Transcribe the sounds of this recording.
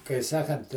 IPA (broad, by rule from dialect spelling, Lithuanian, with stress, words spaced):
kɐɪ ˈsɑːkɐnt